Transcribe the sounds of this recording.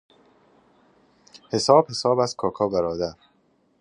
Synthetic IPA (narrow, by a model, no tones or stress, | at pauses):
he̞sɒːb̥he̞sɒːbæzkʰɒːkʰɒːbæɾɒːd̪æɾ